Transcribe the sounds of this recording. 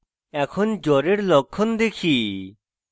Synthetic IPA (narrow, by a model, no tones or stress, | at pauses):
ɛkʰɔnd͡ʒɔɾeɾlɔkʰːɔnd̪ekʰi